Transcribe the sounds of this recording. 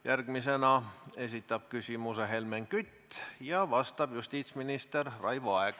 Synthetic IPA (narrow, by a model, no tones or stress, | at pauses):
jærɡ̥mise̞nɑe̞sit̪ːˑɑb̥̚kysʲimuseɦe̞lmeŋkyt̪ːjɑvɑst̪ɑb̥just̪iːt̪sminist̪errɑjvuɑeɡ̥